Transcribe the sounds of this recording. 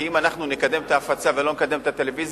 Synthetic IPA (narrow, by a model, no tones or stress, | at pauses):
imanaχnunekad̪e̞mt̪aːfat͡savelo̞nekad̪e̞mt̪at̪e̞le̞viz